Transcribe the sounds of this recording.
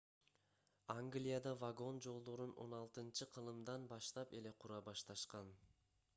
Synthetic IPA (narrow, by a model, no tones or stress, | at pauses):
aŋɡlʲijad̪ɑvaɡo̞nd͡ʒo̞lˠd̪oɾuno̞̰nɑlˠt̪ɯnt͡ʃɯqʰɯlˠɯmd̪ɑnbɑʃt̪ɑpe̞le̞qʰuɾɑbɑʃt̪ɑʃqɑn